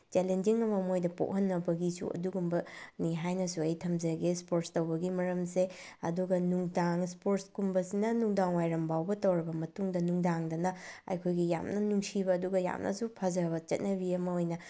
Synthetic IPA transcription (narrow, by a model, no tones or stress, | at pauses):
t͡ʃelend͡ʒiŋɐmɐmojdɐpo̰ʔhɐnːɐbɐɡisṵɐ̰duɡumbɐniɦajnɐsuɐjtʰɐmzɐɡespoɾtstɐwbɐɡimɐɾɐmse | ɐ̰duɡɐnuŋdaŋspoɾtskumbɐsinɐnuŋdaŋwajɾɐmbawbɐtɐwɾɐbɐmɐtuŋdɐnuŋdaŋdɐnɐɐ̰jkʰojɡija̰mnɐnuŋsibɐːduɡɐja̰mnʔɐ̰supʰɐzɾβɐt͡ʃɐt̚nɐbiɐmɐojnɐ